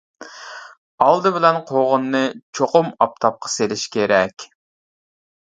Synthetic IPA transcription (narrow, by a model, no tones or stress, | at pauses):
ɑlˠd̪ɨbɪlɛnqʰoʁʊnːɨt͡ʃʰoqʊmɑp̚t̪ʰɑp̚qʰɑ̥selɪʃkʲʰeɾɛkʲ